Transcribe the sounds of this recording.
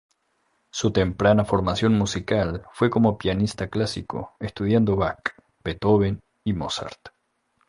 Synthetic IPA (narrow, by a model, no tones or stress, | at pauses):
sut̪e̞mpɾanafo̞ɾmasjo̞nmusikalfwe̞ko̞mopjanist̪aklasḭko̞̰est̪uðjand̪oβak | b̥et̪oβen | imosa̰ɾt̪